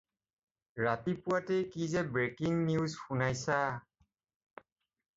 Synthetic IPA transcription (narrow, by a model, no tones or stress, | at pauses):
ɹatipʊatejkizɛbɹekiŋniʊzxunajsa